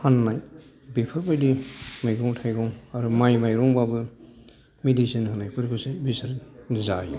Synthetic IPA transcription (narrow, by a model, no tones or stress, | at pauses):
hanːaj | bepʰɯɾbajdimajɡɔŋtʰajɡɔŋaɾumajmajɾɔŋbabɯ | midisinɦanːajkɯɾkɯsebisaɾnizai